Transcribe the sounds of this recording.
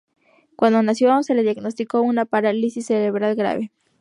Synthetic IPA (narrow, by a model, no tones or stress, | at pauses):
kwand̪onasjoseleðjaɡnos̬t̪ikounapaɾalisisːeɾeβɾalɣɾa̰βe